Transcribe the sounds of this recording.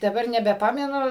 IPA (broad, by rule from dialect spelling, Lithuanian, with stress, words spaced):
dɐˈbɐr nʲɛbʲɛˈpɑːmʲɛnʊ